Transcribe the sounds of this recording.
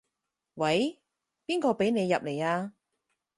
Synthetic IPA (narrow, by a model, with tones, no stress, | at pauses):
wɐ˨˥j | piː˥nkɔː˧pe˨˥jne˨˧jːɐ˨p̚le˨˩jaː˧